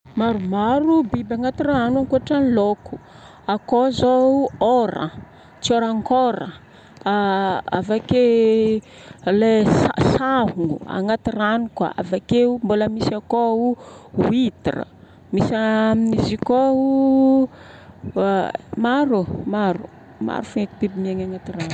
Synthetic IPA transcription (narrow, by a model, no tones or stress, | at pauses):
maɾumaɾubibaŋat̪iraanaŋkuaʈ͡ʂaniloku̥ | akozooɾə̰ | t͡sioɾaŋkoɾə | aa̰vake | leasaɦuŋua̰ŋat̪iranikwa̰a̰vakeumbuləmisakouuit̪irə̰ | misaminizikou | maɾumaɾu | ma̰ɾufuekipibimiaŋaŋat̪iran